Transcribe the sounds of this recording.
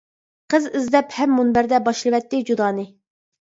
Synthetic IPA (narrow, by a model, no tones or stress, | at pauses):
qəzɪzd̪ɛphɛmːunbæɾd̪ɛbɑʃlˠɨwɛt̪ːɪd͡ʒud̪ɑːnɨ